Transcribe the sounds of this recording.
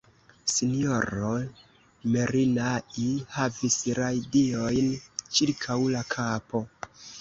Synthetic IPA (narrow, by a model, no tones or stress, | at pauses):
sinio̞ɾo | me̞ɾinaʔihavisɾajdio̞jnt͡ʃiɾkʰawlakʰapo̞